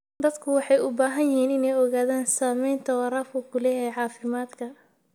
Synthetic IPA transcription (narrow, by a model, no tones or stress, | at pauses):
d̪ɐd̪kʰʊwɑħɑjʊbaːɦɐnjɪhiːnɪnɛjɔɣaːðaːnsaːmɛjnt̪ʰɐwɑɾaːfʊkʰʊlɛːjɛjʕɑːfɪmaːd̪kʰɐ